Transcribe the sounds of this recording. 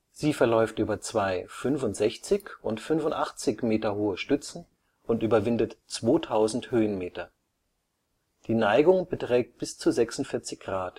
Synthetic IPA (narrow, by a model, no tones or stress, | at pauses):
z̥iːfɛɐlɔʏftʔyːbɐt͡sv̥aɪfʏnfʊntz̥ɛçt͡sɪçʔʊntfʏnfʊntʔaχt͡sɪçmeːtɐhoːəʃtʏt͡sn̩ | ʊntʔyːbɐvɪndətt͡sv̥oːtʰaʊzn̩thøːənmeːtɐ | d̥iːnaɪɡʊŋbətʁ̥ɛːk̚t̚b̥ɪst͡suzɛksʊntfɪɐt͡sɪçɡ̥ʁaːt